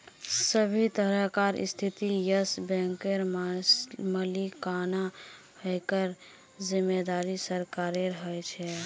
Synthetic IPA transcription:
səbʱit̪əɾəɦkaɾḭst̪ʰit̪ijəsbɛ̃ŋkeɾm | məlikana | həjkəɾ | zimːed̪aɾisəɾkaɾeɾəɦəjt͡ʃʰɛ

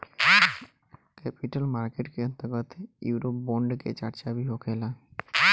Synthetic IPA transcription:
kɛpiʈəlmaɾkeʈkeʌnt̪əɾɡɔt̪juːɾop̚boɳɖkḛt͡ɕa̰ɾt͡ɕabʱiɦokʰela

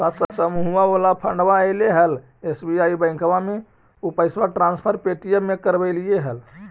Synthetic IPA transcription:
sat̪səsəmuɦuabolapʰəɳɖbaəjleɦəl | esbiaibə̃ɪ̃kwame | upəjsbəʈɾãnspʰəɾpeʈijəmːekəɾbɛɪlijeɦəl

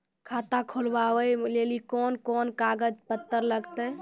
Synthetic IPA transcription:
kʰat̪akʰolbawəjlelikɔnkɔnkaɡəd͡ʒpət̪ːəɾləɡt̪əj

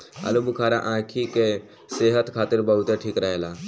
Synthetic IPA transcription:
ɐ̰lubukʰaːɾaʔãːkʰike | seːɦət̪kʰaːt̪ɪɾbəɦʊt̪eʈʰiːkɾəɦeːlaː

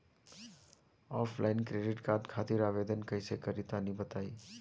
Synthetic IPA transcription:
ɔːpʰlʔaːɪnkɾeːɖɪʈkaːɾd̪kʰaːt̪ɪɾaːʋeːd̪ənkɐɪsekɐɾɪt̪anĩbət̪aːiː

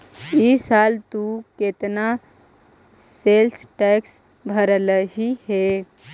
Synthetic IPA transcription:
isaːlt̪uket̪na | selsʈɛks | bʱəɾələɦiɦe

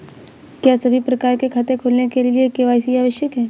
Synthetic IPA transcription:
kjaːsɐbʱipɾɐkaːɾkekʰaːt̪ekʰoːlnekelɪiekeʋaːɪsiaːʋəʃjəkɦɛː

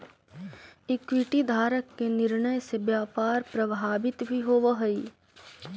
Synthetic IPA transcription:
ɪkwiʈid̪ʱaːɾəkːenɪɾnəjsebjaːpaːɾpɾɐbʱaːbɪt̪bʱiɦoːʋəɦəi

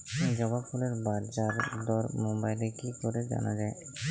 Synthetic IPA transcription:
id͡ʑɔbabpʰuleɾbaɾd͡ʑaɾd̪ɔɾmobajlekikoɾed͡ʑa̰nad͡ʑae

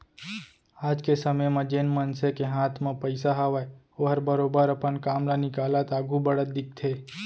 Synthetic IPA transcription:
aːd͡ʒkesəməjmãd͡ʒeːnmənsekeɦaːt̪ʰmãpəɪsaɦaʋae | oɦəɾbəɾoːbəɾəpənkaːmlanikaːlat̪aːɡubəɽət̪̚d̪ɪk̚t̪ʰeː

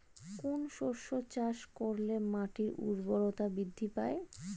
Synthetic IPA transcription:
konʃoʃot͡ɕaʃkoɾlemaʈiɾṵɾboɾot̪abid̪ʱːipae

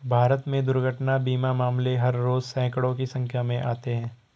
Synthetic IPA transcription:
bʱaːɾət̪mẽd̪ʊɾɡʱəʈnabiːmamaːmleɦɐɾːoːzsɛ̃ːkəɽõkisɐ̃ŋkʰjamẽʔa̰ːt̪eɦɛ̃ː

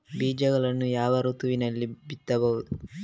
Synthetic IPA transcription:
biːd͡ʒɐɡɐɭɐnːujaːʋɐɾut̪uʋinɐlːibit̪ːɐbɐwud̪u

